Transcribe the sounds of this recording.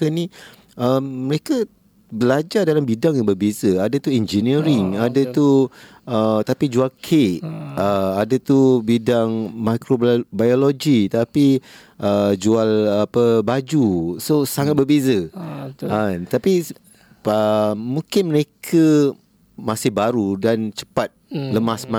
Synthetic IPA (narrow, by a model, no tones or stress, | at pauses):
əni | əmːəɾekə | bəlad͡ʒadalambidaŋjabərbezəadət̪uɛnd͡ʒiniɾɪŋadət̪u | ət̪apid͡ʒualkʰeʔəadət̪ubidaŋmakɾobajoloɡit̪api | ʔəd͡ʒualapəbad͡ʒusosaŋat̪̚bərbezə | ant̪api | əmũkɪnməɾekʰə | masɪhbaɾudant͡ʃə̥pat̪̚ləmasmã